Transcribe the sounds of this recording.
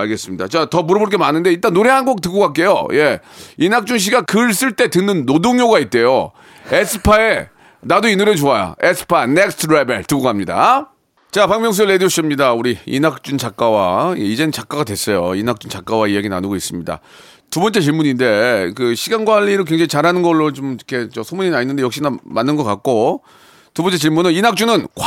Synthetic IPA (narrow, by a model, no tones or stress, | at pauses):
aɭɡe̞s͈ɯmɲidat͡ɕatʌmuɾʌboɭk̬͈e̞manɯnde̞iɭt͈anːoɾeɦanɡok̚tɯɡokak͈̚e̞jo̰je̞inak̚t͡ɕ͈uŋɕ̬ʰiɡakɯɭs͈ɯɭt͈e̞tɯnːɯnːodoŋjoɡait̚t͈e̞jo | esʰɯ̥pʰae | nadoinuɾjet͡ɕoaja̰esʰɯ̥pʰanek̚stʰɯɾebe̞ɭtɯkɡokaamɲida̰ | t͡ɕapaŋmjʌŋs̬uɭedijoɕʰiimɲidauɾiḭnak̚t͡ɕ͈unt͡ɕak̚k͈awaḛid͡ʑe̞nt͡ɕak͈̚aɡadwe̞s͈ʌjoinak̚t͡ɕunt͡ɕak͈awaijaɡinanɯɡois͈ɯmɲida̰ | tubʌnt͡ɕ͈e̞t͡ɕiɭmuɲinde̞kɯɕʰiɡanɡwaʎːiɾɯɭkwe̞ŋd͡ʑaŋit͡ɕaɾɦanɯnɡʌɭːot͡ɕomkʰe̞t͡ɕʌsʰomuɲinaɲinːɯndejʌk̚ɕ͈inamanːɯnɡʌk͈ak̚k͈o | tubʌnt͡ɕ͈e̞t͡ɕiɭmunɯninak̚t͡ɕ͈unɯnk